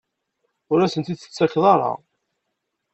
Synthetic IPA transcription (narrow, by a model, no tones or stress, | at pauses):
ʊɾæsənt̪id̪θə̥t͡sːæçðˤɑɾˤɑ̰ʁ